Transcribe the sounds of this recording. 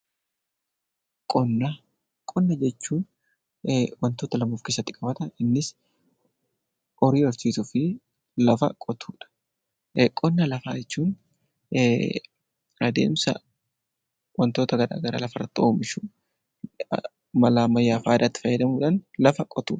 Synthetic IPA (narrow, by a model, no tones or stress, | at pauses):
kʼɔnːɐ | kʼɔnːɐd͡ʒɛt͡ʃːuːn | wɐnt̪o̞ːt̪ɐlɐmoːfkesːɐt̪ːɪ̥kʼɐbɐt̪ɐɪnːɪs | ʔɔɾiːɔɾt͡ʃ̪iːt̪ʊfɪ | lɐfɐkʼɔt̪ʰuːᶑɐ̥ | kʼɔnːɐlɐfa̰ːd͡ʒɛt͡ʃːuːn | ɾɐd̪e̞̰ːmsɐ̰ | wɐnt̪oːt̪ɐɡɐɾa̰ːɡɐɾa̰ːlɐfɐrːɐt̪ːoːmɪʃu | mɐlaːmɐjːaːfaːd̪aːt̪ːɪ̥fɐjːɐd̪ɐmuːᶑɐnlɐfɐkʼɔt̪uːᶑɐ̥